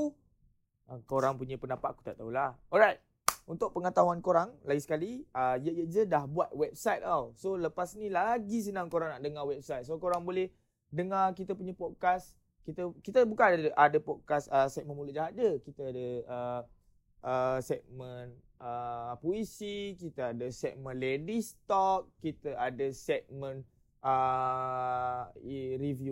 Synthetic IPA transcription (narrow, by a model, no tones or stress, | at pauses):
əkoɾaŋpuɲəpənapaʔku̥t̪a̰ʔt̪aulahɔɾajt̪̚ | unt̪ʊk̚pəŋət̪aɦuankoɾaŋlaɡisə̥kaliəjəʔjəʔd͡ʒədahbuat̪̚wɛp̚sajt̪awsoləpasnilaɡis̬ənãŋkoɾaŋnaʔdəŋawɛp̚sajt̪̚sokoɾaŋbolɛh | dəŋakit̪əpuɲə̃pɔd̚kas | kit̪əkit̪əbukanadəʔadəpɔd̚kasəsɛt̚mə̃nmuləʔd͡ʒaɦadəkit̪aadəə | ʔəsɛt̚mə̃n | ʔəpoisikit̪aadəsɛt̚mə̃nledist̪ɔk̚ːit̪əadəsɛt̪̚mə̃n | ə | iɾivju